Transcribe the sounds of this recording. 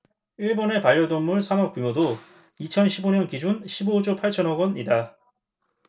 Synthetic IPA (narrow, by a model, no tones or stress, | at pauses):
iɭbone̞paʎːʌdʌnːuɭsʰanʌk͈umodo | it͡ɕʰʌnɕʰiboɲʌnkid͡ʑunɕʰibod͡ʑopʰaɭt͡ɕʰʌnɦʌɡʌnida